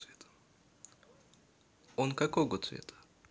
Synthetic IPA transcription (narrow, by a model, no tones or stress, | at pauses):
et̪ | onkɐkoɡot̪svʲḛt̪ʰə̥